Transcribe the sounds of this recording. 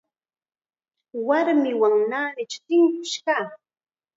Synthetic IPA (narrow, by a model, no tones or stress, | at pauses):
waɾmɪwaŋnaːmɪt͡ʃʊ̥t̪ɪŋkʊʃkaː